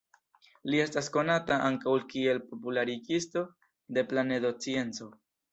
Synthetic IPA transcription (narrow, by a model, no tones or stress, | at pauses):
lie̞stasko̞nataʔaŋkawlkie̞lpo̞pulaɾiɡisto̞ | de̞plane̞do̞t͡sie̞nt͡so̞